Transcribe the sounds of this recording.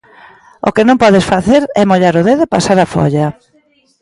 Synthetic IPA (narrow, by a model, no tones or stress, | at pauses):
o̰kɪnõmpɔðɪsfaθeɾɛmoʎaɾʊðeðepasaɾafɔ̰ʎɐ